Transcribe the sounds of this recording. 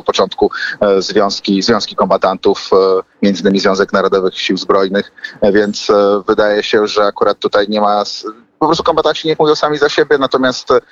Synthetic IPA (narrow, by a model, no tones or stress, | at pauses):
pɔt͡ʂɔnt̪kuzvʲjɔ̃w̃skʲizvʲjɔ̃w̃skʲikɔmbat̪ant̪ufmʲjɛnd̪ɘɲʲɘmʲizvʲjɔ̃w̃zɛknaɾɔd̪ɔvɘxɕiwzbɾɔjnɘxvʲjɛnt̪svɘd̪ajɛɕɛʐɛakuɾat̪ːut̪ajɲɛmas | pɔpɾɔst̪ukɔmbat̪ant͡ɕiɲɛkmuvʲjɔ̃wsamʲizaɕebʲjɛnat̪ɔmʲjast̪